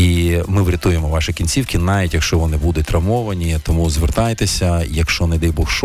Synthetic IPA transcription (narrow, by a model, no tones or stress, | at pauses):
imɪʋɾʲɐt̪ujemɔʋɑʃɪkʲinʲt͡sʲiwkɪnɑʋʲitʲjɐkʃt͡ʃɔʋɔnɪbud̪ʊtʲrɐmɔʋɐnʲit̪ɔmuzʋert̪ɑjt̪esʲɐjɐkʃt͡ʃɔnɪd̪ɛjbɔxʃ